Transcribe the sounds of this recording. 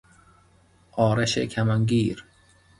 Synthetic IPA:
ɔːɾɐʃekʰamaŋɡiːɾ

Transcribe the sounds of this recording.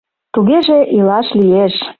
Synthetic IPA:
t̪uɣeʒeʔilɑʃlijeʃ

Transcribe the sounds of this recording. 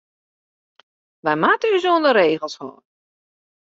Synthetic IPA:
ʋɛjmatəyzoəndəɾeːɣəlˠshɔ̰ːn

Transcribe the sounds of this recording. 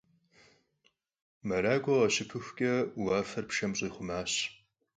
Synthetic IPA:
mɐɾaːɡʷɐʁɐɕɪpʰɨxʷkʲʼɐwaːfɐrpʃɐmɕʼiːχʷʊmaːɕ

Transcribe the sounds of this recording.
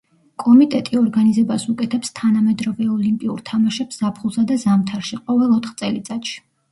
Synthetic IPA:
kʼɔmit̪ʼɛt̪ʼiɔɾɡanizɛbasukʼɛt̪ʰɛpst̪ʰanamɛd̪ɾɔvɛɔlimpʼiṵɾt̪ʰamaʃɛpsz̥apʰχulˠsad̪azamt̪ʰaɾʃiqʼɔvɛlˠɔt̪ʰχt̪sʼɛlit̪sʼat̪ʃi̥

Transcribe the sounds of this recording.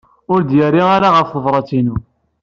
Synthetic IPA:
ʊɾd̪jərːiaɾaʁəfθəvɾˤɑt͡sinu

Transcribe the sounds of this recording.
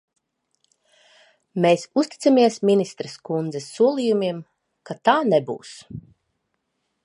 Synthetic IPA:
meːsust̪i̥t̪samiɛsmʲinist̪ɾɛskund̪zɛsːuɔlˠiːjumiɛm | kat̪aːnebṵːs

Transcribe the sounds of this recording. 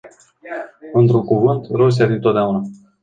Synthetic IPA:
ɨnt̪ɾuŋkuvɨnt̪ɾos̬iafit̪ot̪̚d̪eauna

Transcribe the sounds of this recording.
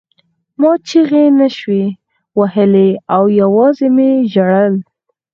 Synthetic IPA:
mɑt͡ʃiɣenaʃwe | wahəleawjawɑzemeʒaɽəl

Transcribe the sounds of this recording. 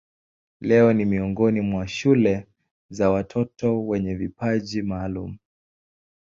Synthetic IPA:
lɛɔnimiɔŋɡɔnimwaʃulɛ | zawatʰɔtɔwɛɲɛvipaʄimaːlumu

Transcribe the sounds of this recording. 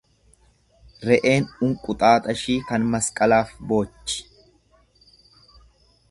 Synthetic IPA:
ɾɛʔe̞ːnʊŋkʼʊt̪ʼaːt̪ʼɐʃiːkɐnmɐskʼɐlaːfbo̞ːt͡ʃːɪ̥

